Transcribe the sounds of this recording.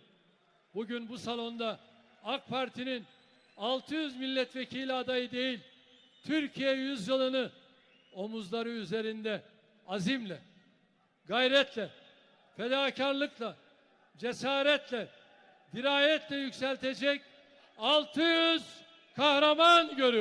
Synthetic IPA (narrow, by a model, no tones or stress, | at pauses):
buɟynbusalˠo̞nd̪a | ak̚pʰaɾt̪ʰinin | alˠt̪ʰɯjyzmilʲːɛt̪vecʰiːlʲad̪ajɯd̪e̞jilʲ | t̪ʰyɾcʰijɛjyzjɯlˠɯnɯ | o̞muzlˠaɾɯyze̞ɾind̪ɛ | azimlʲɛ | ɡajɾɛt̪ʰlʲɛ | fed̪aːcʰaɾlˠɯklˠa | d͡ʒesaːɾɛt̪ʰlʲɛ | d̪iɾaːjɛt̪ʰlʲɛjycsɛlʲt̪ʰe̞d͡ʒɛc | alˠt̪ʰɯjyz̥ | kʰahɾamanɟø̞ɾy